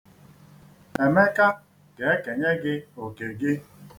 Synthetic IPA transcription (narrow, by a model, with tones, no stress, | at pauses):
e˨me˦ka˦ | ɡ̥e˨e˦ke˨ɲe˦ɡɪ˦o˨ke˨ɡɪ˦